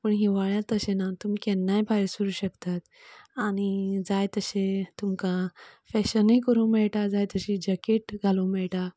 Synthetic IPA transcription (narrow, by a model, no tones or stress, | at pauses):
pəɳɦiʋaɭjat̪əɕenat̪umikɛnːajbʰʱajɾsuɾuːɕəkt̪at̪ | añid͡zajt̪əɕet̪umkãfɛɕənikəɾũːmɛɭʈad͡zajt̪əɕid͡ʑəkeʈɡʱalũːmɛɭʈa